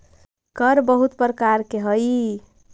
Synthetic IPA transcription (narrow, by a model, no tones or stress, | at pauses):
kəɾbəɦut̪pɾəkaɾkeɦəj